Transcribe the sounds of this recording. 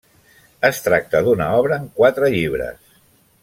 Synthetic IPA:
əst̪ɾak̚t̪əðunaɔβɾəːŋkwat̪ɾəʎiβ̞ɾə̰s

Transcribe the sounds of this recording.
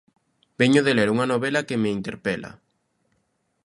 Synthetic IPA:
b̥ɛɲoðeleɾuŋɐnoβɛlɐkemeint̪eɾpɛla̰

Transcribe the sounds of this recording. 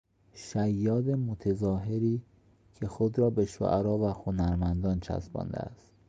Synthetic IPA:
ʃæjːɒːd̪emot̪ʰezɒːɦe̞ɾiː | cʰe̞xod̪ɾɒːbe̞ʃo̰ʔæɾɒːvæxonæɾmænd̪ɒːnt͡ʃʰæ̰sbɒ̰ːnd̪ḛæ̰st̪

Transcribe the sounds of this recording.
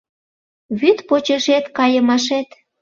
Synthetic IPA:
βyt̪pot͡ɕəʃet̪kɑjəmɑʃet̪

